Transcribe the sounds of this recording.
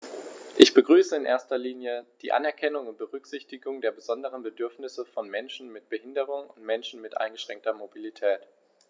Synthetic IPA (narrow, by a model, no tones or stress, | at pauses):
ʔɪçb̥əɡʁyːsəɪnʔḛːɐstɐliːnjəd̥iːʔa̰nɛɐkʰɛnʊŋʊnt̚b̥əʁʏkz̥ɪçtɪɡʊŋdeːɐbəzɔndəʁ̞ənbədʏɐfnɪsəfɔnmɛnʃn̩mɪt̚b̥əhɪndəʁ̞ʊŋʊntmɛnʃn̩mɪtʔa̰ɪnɡəʃʁ̥ɛŋk̚tɐmobilitʰɛːt